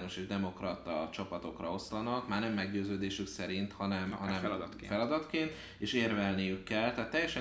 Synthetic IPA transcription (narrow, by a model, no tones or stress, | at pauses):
no̞ʃeːʒd̪ɛmo̞krɒt̪ɒt͡ʃɒpɒt̪o̞krɒo̞slɒnɒkmaːrnɛmːɛɡɟøːzøːd̪eːʃyksɛɾint̪hɒnɛmhɒnɛmd̪ | fɛlɒd̪ɒt̪keːnt̪ | eːʃeːrvɛlnijykːɛlt̪ɛat̪ːɛjːɛʃɛ